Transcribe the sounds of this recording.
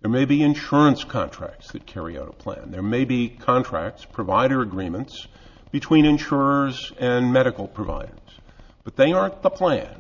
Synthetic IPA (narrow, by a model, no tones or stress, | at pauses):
ðə˞meɪbiɨ̃nʃʊɹə̃nskʰɑ̰̃ntʰɹ̥æ̰k̚tsðɨt̚kʰɛɹḭa̰ʊɾə̰pʰl̥æ̰̃nðə˞meɪbikʰɑ̃ntʰɹ̥æ̰k̚tspʰɹ̥ɨvaɪɾə˞ɨɡɹĩmə̃nts | b̥ɨtʰw̥ĩnɨ̃nʃʊɹə˞zɨ̃nmɛɾɨkl̩ˠpʰɹ̥ɨva̰ɪɾə̰˞z̥ | b̥ʌt̪̚ðeɪɑðəpʰl̥æ̰̃n